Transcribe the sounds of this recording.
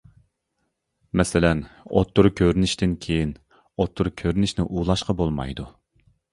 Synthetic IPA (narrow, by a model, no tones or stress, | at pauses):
mɛsɪlɛno̰t̪ʰːuɾkʲʰøɾynɪʃt̪ɪnkʲʰejin | ot̪ʰːuɾkʲʰøɾynɪʃnɪʔuːlˠɑʃqɑbolˠmɑ̰jd̪u